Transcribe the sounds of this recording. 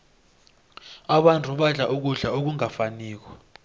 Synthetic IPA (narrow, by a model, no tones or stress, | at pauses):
aɓantʰʼuɓaɮaʔuk̬uɮaok̬uŋafaniːk̬ɔ̥